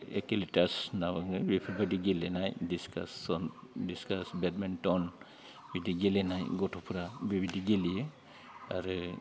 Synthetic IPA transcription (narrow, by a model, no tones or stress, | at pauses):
ḛkeliʈasnawaŋɡɯbipʰiɾbadiɡelɛnajdiska̰sːɔndiskasbet̚menʈɔn | bid̪ʱiɡelɛnajɡɔtʰɔpʰuɾabibid̪ʱiɡelije | a̰ɾu